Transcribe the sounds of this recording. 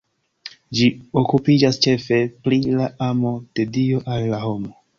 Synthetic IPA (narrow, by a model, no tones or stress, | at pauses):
d͡ʒio̞kupid͡ʒast͡ʃe̞fe̞plilaamo̞d̥e̞dio̞ʔalːaho̞mo̞